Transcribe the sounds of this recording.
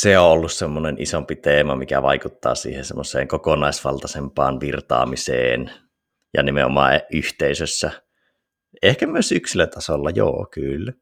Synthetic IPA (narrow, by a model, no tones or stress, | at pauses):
seoolːussemːonenʔisompit̪eːmɑmikæʋɑikut̪ːɑ̰ːsḭːhensemːosˑḛːŋkokonɑˑisʋɑlt̪ɑsempɑːnʋirt̪ɑ̰ːmisḛːn | jɑ̰nimḛʔo̰mɑ̰ːeʔʔyht̪eisøsːæ | ehkæmyøsyksilːæt̪ʰɑsolːɑjo̰ːkylːæ